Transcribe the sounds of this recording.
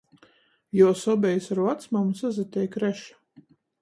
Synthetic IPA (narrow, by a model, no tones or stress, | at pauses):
jɔɔsɔbʲɛjsaɾvat̪smamusazat̪ʲɛjkɾɛʃḁ